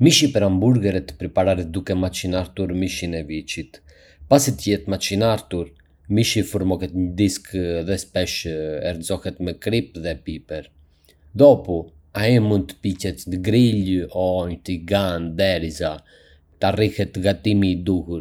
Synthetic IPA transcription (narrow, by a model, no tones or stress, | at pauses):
miʃipɛɾambuɾɡɛɾɛt̪ə̥pɾipaɾaɾɛt̪̚d̪ukɛmat͡ʃinaɾt̪uɾmiʃinɛvit͡ʃit̪ | pasit̪əjɛt̪mat͡ʃinaɾt̪uɾ | miʃifuɾmɔkɛt̪ɲəd̪iskðɛspɛʃɛɾzɔhɛt̪mɛkɾip̚ðɛpipɛɾ | d̪ɔpu | aimund̪̚t̪ə̥picɛt̪nɡɾiʎɔɲət̪iɡand̪ɛɾiza | t̪arihɛt̪ːɡat̪imid̪uhuɾ